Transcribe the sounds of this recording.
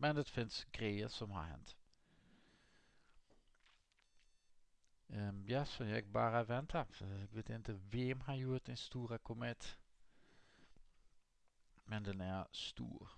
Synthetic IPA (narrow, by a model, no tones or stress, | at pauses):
mɛnd̪ɛt̪fɪnsɡɾɛɪəsɔmha̰hɛ̰nt̪ | jaːsɔjɛɡ̚bɑːɾəvɛnt̪ʰafɡʋet̪ɪnt̪əvɛmhajut̪ɛnst̪uːɾakʰʊmɛt̪ | mɛnd̪ɛnæɾst̪ṵːɾ